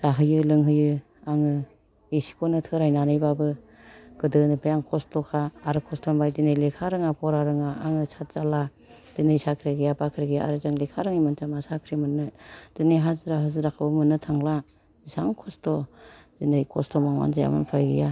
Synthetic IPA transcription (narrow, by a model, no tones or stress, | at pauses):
z̥aɦɯjɯlɯŋɦɯjɯ | aŋɯ | esi̥kʰɔnɯtʰɯɾajnanɯjbabɯ | ɡ̥ɯdɯnɯpɾijaŋkʰɔstʰɔkʰaːɾɯkʰɔstʰɔmbajdinɯjlekʰaɾɯŋapʰɔɾaɾɯŋaaŋɯsʰat̚z̥ala | d̥inɯjsakʰɾeɡɯjapakʰɾeɡija̰a̰ɾɯzaŋlekʰaɾɯŋimɯntamasakʰɾimɯnːɯd̥inɯjɦazɯɾaɦɯzɯɾakʰɯbɯmɯnːɯtʰaŋla | zisaŋkʰɔstɔz̥inɯjkʰɔstɔmaŋma̰nzaja̰mɯ̰npʰajɡɯ̰ja